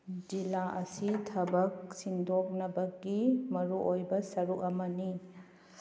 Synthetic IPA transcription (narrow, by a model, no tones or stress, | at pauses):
d͡ʒilaʔɐsitʰɐbɐk̚sindʱok̚nɐbɐɡimɐɾuʔojbɐsɐɾukɐmɐni